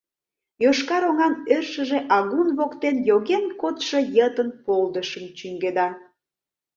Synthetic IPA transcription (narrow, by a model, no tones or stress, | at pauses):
joʃkɑɾoŋɑnørʃəʒeʔɑɣunβokt̪enjoɣenkot̪ʃəjət̪ənpold̪əʃəmt͡ɕyŋɡed̪ɑ